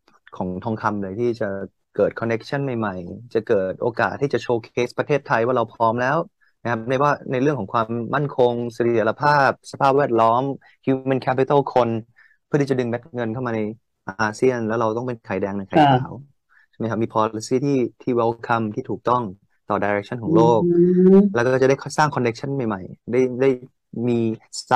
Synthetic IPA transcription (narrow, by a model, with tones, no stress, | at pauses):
kʰɔː˩˦ŋt̪ʰɔ˧ŋkʰa˧mlɤː˧jt̪ʰiː˥˩t͡ɕa˨˩ | kɤː˨˩t̪̚kʰɔ˧nːe˦˥k̚t͡ɕʰa˥˩˨nma˨˩jma˨˩jt͡ɕa˨˩kɤː˨˩t̪̚ʔoː˧ka̰ː˨˩t̪ʰːiː˥˩t͡ɕa˨˩t͡ɕʰoː˧kʰeː˦˥spɾa˧t̪ʰeː˥˩t̪ʰːa˧jwaː˥˩ɾa˧wpʰɔː˦˥mlɛː˦˥w | na˦˥kʰa˦˥p̚da˥˩waː˥˩na˧jɾɯ˥˩əŋkʰɔ˩˦ŋkʰwaː˧mːa˥˩nkʰo˧ŋsa˧˩˦la˧pʰaː˥˩p̚sa˧pʰaː˥˩p̚wɛː˥˩t̪̚lɔː˦˥m | hjuː˧ma˧˥˨nkʰɛ˦˥pi˧t̪a˥˩wkʰo˧n | pʰt̪i˥˩t͡ɕa˨˩dɯ˧ŋbɛ˦˥t̪̚ŋɤ˧nkʰa˥˩wmaː˧a˧j | ʔaː˧si˥˩ənlɛː˦˥wɾa˧wt̪ɔ˥˩ŋpe˧nkʰaː˩jdɛː˧ŋna˧jkʰa˨˦aː˩˦w | ma˦jkʰa˦˥miː˧pʰɔː˧li˧siː˥˩t̪ʰiː˥˩t̪ʰiː˥˩wɛ˦˥wkʰa˧mt̪ʰiː˥t̪ʰuː˨˩k̚t̪ɔ˥˩ŋ | t̪ɔː˨˩daː˧jɾe˦˥k̚t͡ɕʰa˥˩nkʰɔː˨˦ŋloː˥˩k̚lɛː˧˦˥kɔɔː˥˩t͡ɕa˨˩da˥˩˥saː˥˩ŋkʰɔ˧ne˦˥k̚t͡ɕʰa˥˩nma˨˩jma˨˩jda˥˩jda˥˩j | miː˧